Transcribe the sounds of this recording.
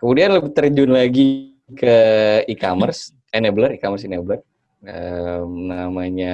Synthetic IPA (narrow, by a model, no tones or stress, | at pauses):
kəmudianləbɪht̪ərd͡ʒʊnlaɡi | kəikamərs | ʔɛneblərikamərs̬ineblər | əmnamaɲa